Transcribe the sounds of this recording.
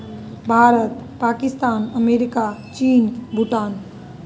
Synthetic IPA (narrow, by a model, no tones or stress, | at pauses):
bʱaːɾət̪paːkɪst̪aːnəmeːɾɪkat͡ʃiːnbʱuʈaːn